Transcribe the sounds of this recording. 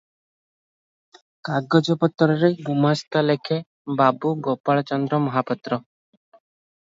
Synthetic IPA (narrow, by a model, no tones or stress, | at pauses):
kaɡɔd͡ʒɔpɔt̪ːɔɾɔɾebumast̪ɔlekʰe | babuɡopaɭɔt͡ʃɔnd̪ɾɔmɔɦapɔt̪ɾɔ